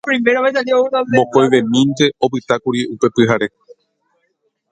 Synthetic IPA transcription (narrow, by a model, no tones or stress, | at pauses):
kuɾĩmbeɾoβet̪ad̪eouɾomõkojʋẽ̞mĩnt̪e̞opɨt̪akuɾiupe̞pɨɦaɾe̞